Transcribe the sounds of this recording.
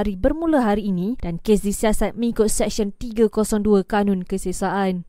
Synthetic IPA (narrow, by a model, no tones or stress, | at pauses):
ɾibərmũlaɦaɾiːnĩdankes̬disiasat̪̚mə̃ŋĩkʊt̪̚sɛk̚sɔnt̪iɡakosɔŋduakanʊ̃nkəsəsaʔan